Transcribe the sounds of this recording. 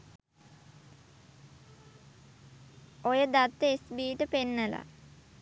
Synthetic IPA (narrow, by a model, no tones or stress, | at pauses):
ojəd̪at̪ːəesbiːʈəpenːəla̰